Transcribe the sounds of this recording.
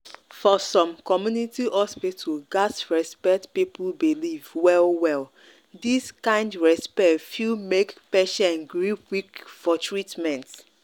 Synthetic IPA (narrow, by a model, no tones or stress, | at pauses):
fɔsɔ̃mkɔmjunitiʔɔspituɡasɹɛspɛk̚tpipulbilivwɛlwɛl | diskãɪ̃ndɹɛspɛtfilmekpɛʃaãnɡɹipwikfɔtɹitmɛ̃nt